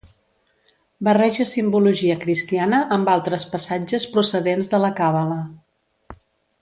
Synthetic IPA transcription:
bərɛʒəsimbuluʒiəkɾist̪ianəʔəmbalˠt̪ɾəspəsad͡ʒəspɾusəðenzðələkaβələ

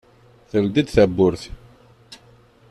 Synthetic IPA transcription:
θəld̪id̪θæbːʊɾθ

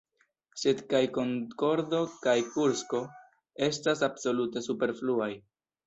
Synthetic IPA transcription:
se̞dkajko̞ŋko̞ɾdo̞kajkuɾsko̞ | e̞stasabso̞lute̞supe̞ɾfluaj

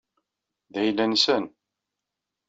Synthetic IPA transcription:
ðæjlːænsən

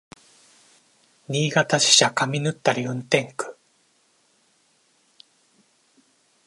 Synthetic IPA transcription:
ɲʲiːɡat̪aɕi̥ɕakamʲinɯ̟t̪ːaɾʲjɯ̃nt̪ẽ̞ŋkɯ̟̥

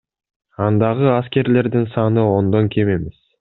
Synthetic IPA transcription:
ɑnd̪ɑʁəɑskʲe̞ɾle̞ɾd̪ɪŋsɑnəwo̞nd̪ɑŋkʲʰe̞me̞me̞s

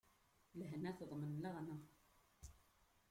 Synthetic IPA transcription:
ləɦnæθðˤmənləʁna

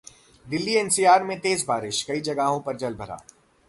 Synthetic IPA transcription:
d̪ɪlːiɛːnsiːaːɾmẽt̪eːzbaːɾɪʃkɐid͡ʒɐɡaːɦõpɐɾd͡ʒɐlbʱɐɾa̰ː

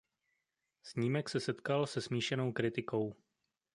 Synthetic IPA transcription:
sɲiːmɛksɛsɛt̪kalsɛsmiːʃɛnowkɾɪt̪ɪko̞w

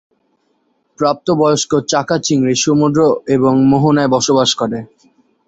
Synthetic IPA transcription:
pɾap̚t̪obɔjoʃkot͡ɕakat͡ɕiŋɡɾiʃomud̪ɾoeboŋmoɦonaebɔʃobaʃkoɾe

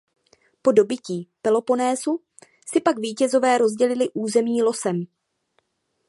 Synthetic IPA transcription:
po̞do̞bɪciːpɛlo̞po̞nɛːzu | sɪpakviːcɛzo̞vɛːɾo̞zɟɛlɪlɪʔuːzɛmɲiːlo̞sɛm

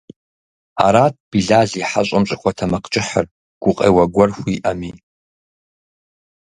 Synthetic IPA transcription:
a̰ɾat̚ʰʼb̥iɮaziħaɕʷʼamɕʷʼakʷʰatʰamaqʰʼt͡ʃʼɪħər | ɡ̥ʷʊqʼḛjwaɡʷɔrxʷiʔami

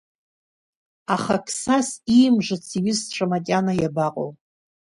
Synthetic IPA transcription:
aχakʰsasimʐʷɨt͡sʰiɥʏsʈ͡ʂʷʰamakʲʼanajabaqʼo̰w

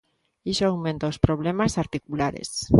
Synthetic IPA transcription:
isoawment̪oospɾoβ̞lemasaɾt̪ikulaɾḛs

